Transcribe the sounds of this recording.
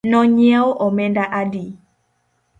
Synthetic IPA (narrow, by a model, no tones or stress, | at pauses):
nɔɲɛoʔɔmɛndaʔadi